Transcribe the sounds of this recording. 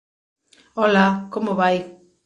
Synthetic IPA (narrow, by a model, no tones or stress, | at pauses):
olakomoβaj